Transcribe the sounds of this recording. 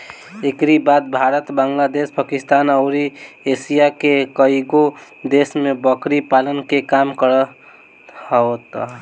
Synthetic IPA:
ekɾibad̪bʱaɾət̪baŋɡlad̪espakist̪aːnəʊɾiesijakekəiɡo | d̪esmebəkɾipalənkekamkəɾə | həot̪

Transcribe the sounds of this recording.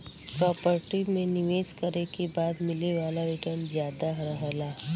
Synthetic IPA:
pɾɔːpəɾʈimẽnɪʋeːskəɾekebaːd̪mɪleʋaːlaɪʈənzjaːd̪aɦɐɾɐɦəlaː

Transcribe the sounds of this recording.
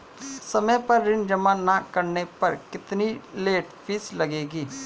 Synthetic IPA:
səməpəɾːɪnd͡ʒəmaːnakəɾnepɐɾkɪt̪nileːʈpʰiːsləɡeːɡiː

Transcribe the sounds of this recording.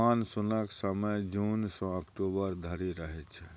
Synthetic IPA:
ansunəksəməjd͡ʒuːnsɔ̃əkʈobəɾd̪ʱəɾiɾəɦɛt̪t͡ʃʰɛ

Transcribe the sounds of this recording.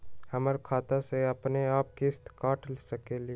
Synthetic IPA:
hɐməɾkʰaːt̪aseɐpneaːp̚kɪst̪kaːʈlsəkelie

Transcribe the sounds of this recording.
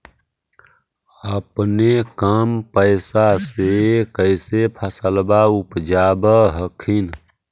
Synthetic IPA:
əpnekaːmpəɪsasekəɪsepʰəsəlbaupd͡ʒabəɦəkʰin

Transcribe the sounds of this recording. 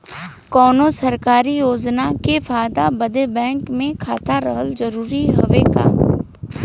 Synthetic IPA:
kɔːnosɐɾkaːɾijoːd͡ʒnakefʰaːd̪abəd̪ebɛ̃ːŋkmẽkʰaːt̪ʰaɾəɦəlzɐɾuːɾiɦɐʋeka̰ː

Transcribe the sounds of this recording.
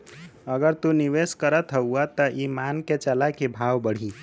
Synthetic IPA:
əɡəɾt̪uniʋeskəɾət̪ʰɦəuat̪əʔimanket͡ʃalakebʱawbəɽ̤i

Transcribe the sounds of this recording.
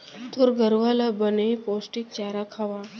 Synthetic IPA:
t̪ʰoɾɡəɾʋalabəneposʈik̚t͡ɕaɾakʰaʋa

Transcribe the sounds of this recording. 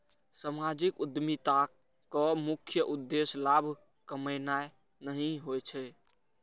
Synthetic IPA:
səmad͡ʒikud̪mit̪a | kəmukʰjəʔud̪ːeslabʱ | kəməjnaj | nəɦĩɦojt͡ʃʰɛ

